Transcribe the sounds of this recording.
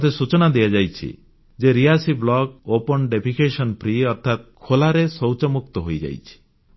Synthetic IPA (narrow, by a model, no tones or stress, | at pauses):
t̪ʰesut͡ʃɔnad̪ijad͡ʒajt͡ʃʰḭ | d͡ʒeɾiasiblɔk̚opɔnɖepʰikesɔnpʰɾiɔɾt̪ʰːat̪̚kʰolaɾesɔwt͡ʃɔmuk̚t̪ɔɦojd͡ʒa̰jt͡ʃʰi̥